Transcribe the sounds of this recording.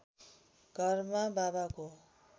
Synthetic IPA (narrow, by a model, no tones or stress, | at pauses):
ɡ̥ʱʌrmababako